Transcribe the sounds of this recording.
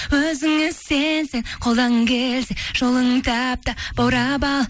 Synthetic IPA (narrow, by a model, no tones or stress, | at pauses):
wɵzɪŋɪsenseŋqʰo̞lˠd̪ɑŋkʲʰelseʒ̥olˠəŋt̪ʰæp̚t̪əb̥ɑwɾɑbɑlˠ